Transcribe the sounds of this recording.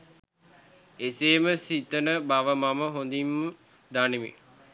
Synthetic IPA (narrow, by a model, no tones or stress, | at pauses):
eseːməsit̪ənəbaʋəmaməɦond̪imːə | d̪aniʋḭ